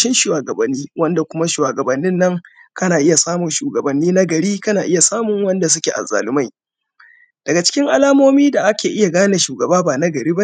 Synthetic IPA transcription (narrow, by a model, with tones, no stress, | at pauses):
ʃɪ˦nʃu˨waː˨ɡɐ˨bɐ˨nːiː˦wɐ˦nda˨kʷʊ˦ma˦ʃwaː˨ɡɐ˨bɐ˨nːɪ˦nːɐ˦ŋkɐ˦naː˨ʔɪ˦ja˨saː˦mʊ˨nʃuː˨ɡɐ˨bɐ˨nːiː˦na˦ɡɐ˨ɾiː˦kɐ˦naː˨ʔɪ˦ja˨saː˦mʊ˨ŋwɐ˦nda˨s̬ʊ˦kʲe˨ʔa̰˨za̰ː˨lɪ˦ma˦j | d̥ɐ˨ɡa˨t͡ʃɪ̥˦kʲɪ˦ŋʔa˦laː˦moː˦miː˦da˨ʔa˦kʲeː˨ʔɪ˦ja˨ɡaː˦na˨ʃuː˨ɡɐ˨baː˦baː˨na˦ɡɐ˨ɾiː˦ba˦